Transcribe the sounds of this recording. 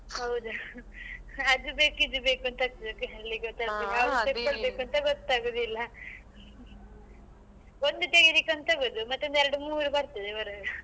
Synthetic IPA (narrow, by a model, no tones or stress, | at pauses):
hɐwd̪u | ɐd͡ʒ̪ubeːkid͡ʒ̪ubeːkuɐnt̪ɐaːk̚t̪ɐd̪okːeɦɐlːiɡɔt̪ːaːbekaʋsepkːoɽbekuɐnt̪ɐɡɔt̪ːaːɡoːd̪ilːɐ | ond̪ut̪eɡiɾikuɐnt̪aːɡoːd̪umɐt̪ːeɐnd̪ɛɾɐɖumuːɾubɐɾt̪ɐd̪eɐɾɐɡɐ